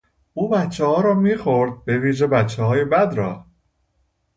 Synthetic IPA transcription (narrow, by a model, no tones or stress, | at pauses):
uːbætt͡ʃʰːɛhɒːɾɒːmiːxoɾd̪̚be̞viːʒebæt͡ʃʰːɛhɒːjebæd̪ɾɒː